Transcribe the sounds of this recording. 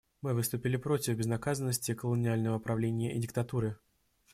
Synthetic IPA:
mɨvɨst̪ʊpʲɪlʲɪpɾo̞tʲɪfbʲɪznɐkazənːəsʲtʲɪkəlˠənʲɪalʲnəvəpɾɐvlʲenʲɪjəʔɪdʲɪk̚t̪ɐt̪uɾɨ

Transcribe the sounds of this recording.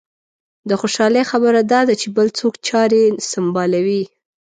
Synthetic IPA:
d̪əxoʃɑləjxabəɾad̪ɑd̪at͡ʃebəlt͡sokt͡ʃɑɾesambɑlawi

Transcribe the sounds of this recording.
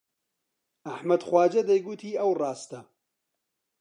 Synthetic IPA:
ɐħmɐd̪xwaːd͡ʒɐd̪ɐjɡut̪ʰiːɐwrɑːst̪ɐ

